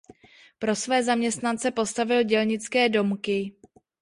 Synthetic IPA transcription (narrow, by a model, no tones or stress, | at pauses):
pɾo̞svɛːzamɲɛst̪nant͡sɛpo̞st̪avɪlɟɛlɲɪt͡skɛːdo̞mkɪ